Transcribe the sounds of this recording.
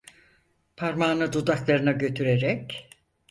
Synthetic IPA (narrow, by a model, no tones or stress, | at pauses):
pʰaɾmaːnɯd̪ud̪aklˠaɾɯnaɟø̞t̪ʰyɾeɾɛc